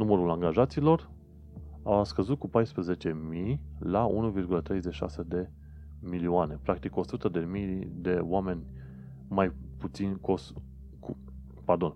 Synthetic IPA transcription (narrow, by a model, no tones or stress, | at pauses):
numəɾulaŋɡaʒat̪siːlo̞r | askəzut̪̚kupajspɾəze̞t͡ʃe̞mijlaṵnuvirɡulət̪ɾe̞jzet͡ʃʃa̰se̞d̪e̞ | milioane̞pɾak̚t̪iko̞sut̪əd̪e̞mijd̪e̞oame̞nʲ | majput̪sinʲkos | ku | pard̪o̞n